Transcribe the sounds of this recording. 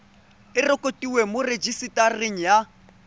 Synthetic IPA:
ɪrɔkʼotʼiwemʊred͡ʒisitʼareŋ̩ja

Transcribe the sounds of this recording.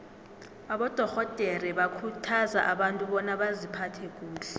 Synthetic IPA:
aɓɔd̥ʱɔɣɔd̥ʱerɛɓakʰutʰaza̰ʔaɓantʼuɓɔnaɓazipʰatʰɛk̬ʼuːlɛ

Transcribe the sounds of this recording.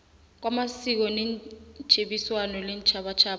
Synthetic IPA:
k̬wamasik̬ɔnɛn̥ʒ̥ʱeɓiswanɔlɛnt͡ʃʰaɓat͡ʃʰaːɓ

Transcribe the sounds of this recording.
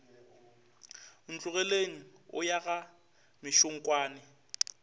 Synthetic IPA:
n̩t͡ɬʼʊɣɛleŋ̩ʊ̰jaɣa | mɪʃʊŋ̩kʼwaːnɪ

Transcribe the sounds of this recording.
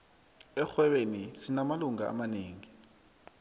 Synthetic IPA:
ɛxwɛɓenisinamaluŋaa̰maneːŋi

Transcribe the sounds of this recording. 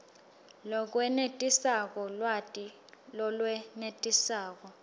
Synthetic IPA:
lɔk̬ʼwɛnetʼisak̬ʼɔlwatʼi | lɔlwɛnetʼisaːk̬ʼɔ

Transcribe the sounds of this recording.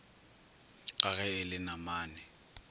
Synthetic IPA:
ǃaɣɛɪlɪnamaːnɪ

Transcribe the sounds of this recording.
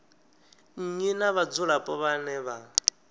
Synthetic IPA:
ɲ̩ɲinaβad͡zuɺapʼɔβanɛβa

